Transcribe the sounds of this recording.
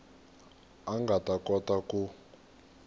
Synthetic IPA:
aŋɡatʼatʼɔtaku

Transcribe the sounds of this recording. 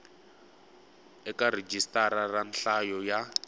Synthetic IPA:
ɛkared͡ʒistaɾaranɬajɔja

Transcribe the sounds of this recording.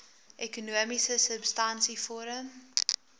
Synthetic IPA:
ʔɛkunuəmisəsəpstɐnsifɔɾəm

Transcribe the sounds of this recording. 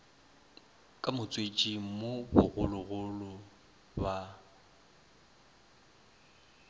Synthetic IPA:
kʼamʊt͡sʼwet͡ʃʼimʊbʊ̰ɣʊlʊɣʊlʊ | ba

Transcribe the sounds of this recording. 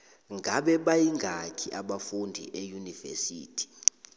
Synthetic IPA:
ŋɡʱaɓɛɓajiŋɡʱakʰiʔaɓafundʱḭʔejunivɛ̰sḭːtʰi̥

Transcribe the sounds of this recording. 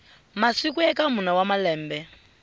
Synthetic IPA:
masikuɛkamunawamalɛːmbɛ

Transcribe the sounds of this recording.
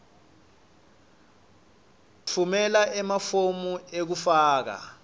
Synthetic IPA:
t͡fʰumɛlaʔɛmafomuek̬ufaːk̬a̰

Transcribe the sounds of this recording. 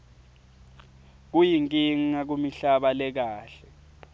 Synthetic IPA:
k̬ujiŋkʼiŋ̩ːak̬umiɬaɓalɛk̬aːɬɛ

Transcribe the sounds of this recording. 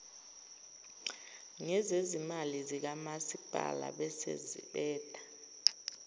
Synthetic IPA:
ŋɛzezimalizik̬amasib̥ʱa̰la̰ɓɛsḛzḭɓɛːd̥ʰʱʼḁ

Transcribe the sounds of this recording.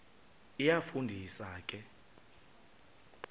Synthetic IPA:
ijafundʱisaːkʼɛ

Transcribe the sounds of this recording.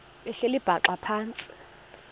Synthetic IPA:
ɓɛɬelib̥ʱaǁapʰaːnt͡sʼi̥

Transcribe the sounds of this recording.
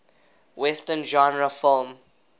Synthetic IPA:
wɛstə̃nd͡ʒɔ̃nɹəfɪlm

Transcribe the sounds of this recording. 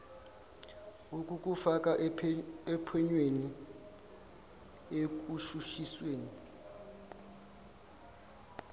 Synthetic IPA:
ukʼuk̬ʼufak̬ʼa | ɛpʰɛɲweni | ek̬uʃuʃisweːni

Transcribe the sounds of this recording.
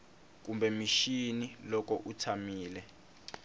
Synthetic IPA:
k̬umbɛmiʃinilɔk̬ʼɔʔutʰamiːlɛ

